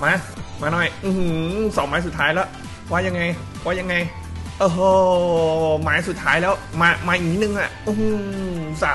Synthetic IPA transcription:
maː˧˥˩maː˧˩nɔ˧˩jʔɯ˧hɯ˧˦sɔː˩˦ŋmaː˦˥s̬u˨˩t̪ʰːaː˦˥jlɛː˦˥w | waː˧˩ja˧ŋːa˧j | waː˧˥˩ja˧ŋːa˧j | ʔɤː˧˩ɦɤː˧˩ | maː˦˥jsu˨˩t̪̚ʰːaː˦˥jlɛː˦˥wmaː˧maː˧ʔi˨˩k̚ni˦˥nɯ˧ŋʔa˨˩ʔu˧hu˧˩sa˨˦

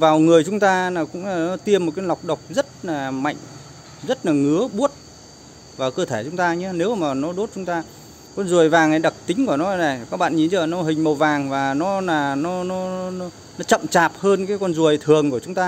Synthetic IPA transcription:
vaː˨˩wŋɨ˨˩əjt͡ɕʊ˨˦ŋ͡mt̪aː˧naː˨˩wkʊ̰˧˥ŋ͡mnɔ˨˦t̪i˧əmo˨˩t̚ka˨˦la˨˩wk͡p̚ɗə˨˩wk͡p̚zə˦˥t̚laː˨˩ma̰˧˨jŋ | zə˦˥t̚laː˨˩ŋɨ˨˦əɓu˦˥ət̚ | vaː˨˩wkəː˧t̪ʰe˧˩t͡ɕʊ˨˦ŋ͡mt̪aː˧ɲɨ˨˦ne˨˦wmaː˨˩nɔ˨˦ɗo˦˥t̚t͡ɕʊ˨˦ŋ͡mt̪aː˧ | kɔ˧nzu˨˩əjvaː˨˩ŋʔa˨˩jɗə˨˩k̚t̪ï˨˦ŋ̟ku˧˩ənɔ˨˦˨na˨˩kaː˦˥k̚ɓa̰ː˧˨nɲi˧˩nt͡ɕəː˧˩nɔ˨˦ɦï˨˩ŋ̟mə˨˩wvaː˨˩ŋvaː˨˩nɔ˨˦naː˨˩nɔ˨˦nɔ˨˦nɔ˨˦ | nɔ˨˦t͡ɕə̰˧˨mt͡ɕaː˨˩p̚həː˧nkaː˨˦jkɔ˧nzu˨˩əjt̪ʰɨ˨˩əŋku˧˩ət͡ɕʊ˨˦ŋ͡mt̪aː˧

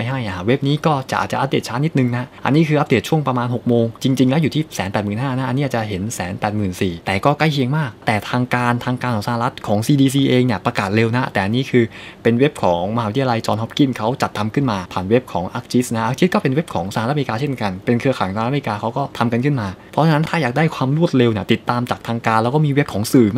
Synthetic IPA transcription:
a˧jɦa˥˩jʔa˧˩we˦˥p̚niː˦˥kɔː˥˩t͡ɕa˨ʔaː˨˩t̚t͡ɕa˨ʔa˦˥deː˨˩t̪̚t͡ɕʰaː˦˥nːi˦˥t̪̚nɯ˧˩ŋna˦˥ʔa̰˧nːiː˦˥kʰɯː˧ʔa˦˥p̚deː˨˩t̚t͡ɕʰu˥˩əŋpɾa˧maː˧nɦo˨˩k̚moː˧ŋt͡ɕi˧ŋt͡ɕi˧ŋlɛː˦˥wjuː˨˩iː˥˩sɛː˩˦npɛː˨˩t̪̚mɯː˨˩nɦaː˥˩na˦˥ʔa˧niː˦˥ʔ̚ːt͡ɕa˨˩ɦe˩˦nsɛː˩˦npɛː˨˩t̪̚mɯː˨˩nsiː˨˩t̪ɛː˨˩kɔː˥˩kla˥˩jkʰi˧əŋmaː˥˩k̚t̪ɛː˨˩t̪ʰaː˧ŋkaː˧nt̪ʰaː˧ŋkaː˧nkʰɔː˨˩˦sa˧a˨˩la˦˥t̪̚kʰɔː˩˦ŋsiː˧diː˧siː˧ʔeː˧ŋni˧˩pɾa˧kaː˨˩t̪̚ɾe˧wna˦˥t̪ɛː˨˩ʔa˧nːiː˦˥kʰɯː˧pe˧nwe˦˥p̚kʰɔː˩˦ŋma˧ha˧wt̪ʰi˧a˧la˧jt͡ɕɔː˧nɦɔ˦˥p̚ki˥˩kʰa˦˥wt͡ɕa˨˩t̪ʰːa˧mkʰɯ˥˩nmaː˧pʰaː˨˩nwe˦˥p̚kʰɔː˩˦ŋʔa˦˥k̚t͡ɕi˦˥sna˦˥ʔa˧˦˥k̚t͡ɕi˦˥kɔː˥˩pe˧nwe˦˥p̚kʰɔː˩˦ŋsa˧˨˦t̪ːaː˧t͡ɕʰe˥˩nka˧npe˧nkʰɯ˧əkʰaː˨˩˦jsa˧˨˦m˧kaː˧kʰa˦˥wkɔː˥˩t̪ʰa˧mka˧nkʰɯ˥˩nmaː˧pʰɔ˦˥t͡ɕʰa˧na˦˥nt̪ʰaː˥˩jaː˨˩k̚daː˥˩jkʰwaː˧mɾu˥˩ət̪̚le˧wni˥˩t̪i˨˩t̪ːaː˧mt͡ɕaː˨˩k̚t̪ʰaː˧ŋkaː˧nlɛ˦˥wkɔː˥˩miː˧we˦˥p̚kʰɔː˩˦ŋsɯː˨˩

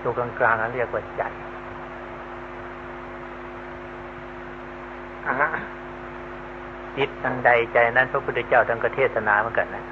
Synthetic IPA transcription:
suː˧˩ka˧ŋklaː˧ŋa˧˥˨ɾɯ˥˩ək̚waː˧˩t͡ɕa˧˩j | ʔa˧˩ʔ | t͡ɕi˧˦˥t̪̚ka˧ŋda˧jt͡ɕa˧˩jna˦˥npʰa˧˥pʰu˧˥˩t̪ʰːa˧˥kt͡ɕaː˥˩wt̪ʰa˧ŋkɾa˧t̪ʰeː˥˩t̪ʰːa˧naː˧mɯ˧˥˨nka˧˩nːa˦˧˥

